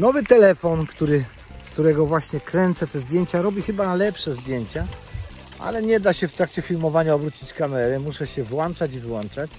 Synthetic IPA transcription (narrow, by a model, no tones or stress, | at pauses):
nɔvɘt̪ɛlɛfɔnkt̪uɾɘ | skt̪uɾɛɡɔvwaɕɲɛkɾɛnt̪sɛt̪ɛzd̪jeɲt͡ɕaɾɔbʲixɘbanalɛpʂɛzd̪jeɲt͡ɕa | ʔa̰lɛɲɛd̪aɕɛft̪ɾakt͡ɕɛfʲilmɔvaɲaɔbɾut͡ɕit͡ɕkamɛɾɛmuʂɛɕɛvwɔnt͡ʂat͡ɕivwɔnt͡ʂat͡ɕ